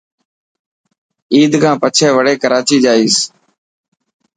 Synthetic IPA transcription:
iːd̪kʰãːpət͡ʃʰeːʋəɽeːkəɾaːt͡ʃʰiːd͡ʒaːiːs

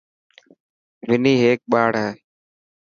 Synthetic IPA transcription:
ʋɪniːɦeːk̚ɓaːɽ̤ɦeː

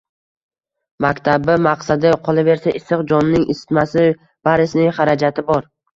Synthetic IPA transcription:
makʲt̪ʰabɪmaqsad̪ɪqʰɒlˠave̞ɾsaʔɪsːɨqd͡ʒɒnːɪŋʔɪsɪ̥t̪masɪ | b̥aɾɪsnɪŋχaɾad͡ʒat̪ʰɪbɒɾ

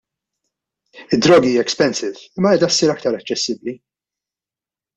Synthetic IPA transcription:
ɪd̪ːɾɔːɡiiːjɛkspɛnsɪvɪmːɐɛːd̪ɐsːiːɾɐk̚t̪ɐɾɐt͡ʃːɛsːɪbli

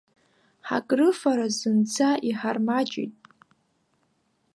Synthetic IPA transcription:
ħa̰kʼrɨfaɾazɨnt͡sʰaʔiħarmat͡ʃʼḭtʼ

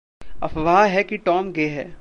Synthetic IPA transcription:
ɐ̰pʰʋɐɦaɦɛkiʈɔːmɡeːɦɛː

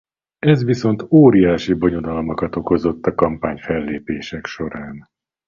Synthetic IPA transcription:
ɛzʋiso̞nt̪oːɾijaːʃibo̞ɲo̞d̪ɒlmɒkɒt̪o̞ko̞zot̪ːɒkɒmpaːɲfɛlːeːpeːʃɛkʃo̞ɾaːn

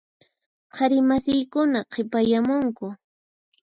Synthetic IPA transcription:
qʰɑɾɪmasɪjkʊnaqʰepajamʊŋkʊ

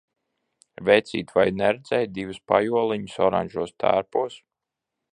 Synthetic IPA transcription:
vɛjt̪sḭːt̪vajnɛɾɛd̪zʲɛjd̪ivɨspa̰juɔlˠiɲusɔɾa̰ɲʒuɔst̪ʰæ̰ɾpuɔs

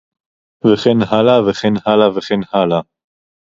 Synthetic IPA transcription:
veχenhalaveχenhalaveχenhala

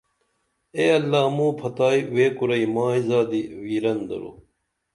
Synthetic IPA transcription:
eːɐlːaːmũːpʰɐt̪aːiweːkuɾɐimãːizaːd̪iwiːɾɐnd̪ɐ̰ɾo̰ː

